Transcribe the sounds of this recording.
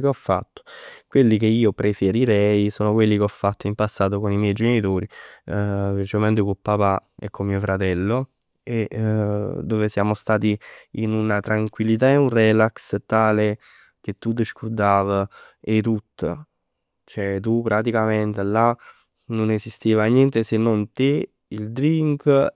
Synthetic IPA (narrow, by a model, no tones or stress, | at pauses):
keɔfːa̰t̪ːo̥kwelːik̟eiːopɾefeɾiɾɛjsoːnokwelːikeɔfːat̪ːoimpasːaːt̪̬okonimjɛjd͡ʒenit̪oːɾi | vet͡ʃoment̪̬ekupːapaɛ̰kʰːomiofɾat̪ɛlːo | e | d̪oːvesjaːmost̪aːt̪̬iinunat̪ɾaŋkwilːit̪̬aeunrɛlakst̪aːle | k̟et̪ːud̪eʃkud̪aːvə | et̪ːut̪ːə̰ | t͡ʃoɛt̪upːɾat̪̬ikament̪ela | nonezist̪eːvanjɛnt̪esenːont̪e | ild̪ɾiŋk